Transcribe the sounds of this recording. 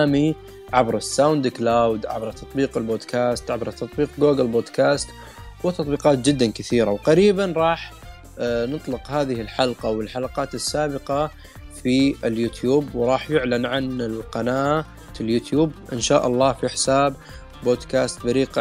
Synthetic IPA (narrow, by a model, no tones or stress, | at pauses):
mi | ʕabɾˤɪsːawnd̪klawd̪ʕa̰bɾˤt̪ʰɑt̪ˤbiːqɪlboːd̪kʰaːst̪ʕabɾˤt̪ɑt̪ˤbiːq̚ɡoːɡalboːd̪kaːst̪ | wɪt̪ɑt̪ˤbiːqɑːt̪̚d͡ʒɪd̪ːankɪθiːɾawqɑɾiːbanɾˤɑːħ | nɨt̪ˤlɪqhaːðɪhɪlħalqɑwɪlħalɑqɑːt̪ɪsːaːbɪqɑ | fiɪljuːt̪juːbwɾˤɑːħjʊʕlanʕanɪlqɑnaː | t̪ɪljuːt̪juːbʔɪnʃaːʔɑlˤːɑːfiħsaːb | boːd̪kaːst̪̚baɾiːq